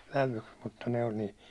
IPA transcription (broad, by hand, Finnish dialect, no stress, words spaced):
ʋæʋuks muttɑ noin ni